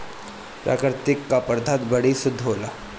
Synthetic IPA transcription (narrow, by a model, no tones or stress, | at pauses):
pɾa̰ːkɾɪt̪ɪkːapəɾd̪ʱat̪bəɽisʊd̪ʱːɦola